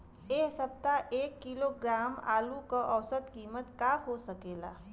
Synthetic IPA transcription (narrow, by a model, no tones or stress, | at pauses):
eːsəb̚t̪aʔeːkːiloɡɾaːma̰ːlukəʔəwsəd̪kiːmət̪kaɦosəkeːla̰ː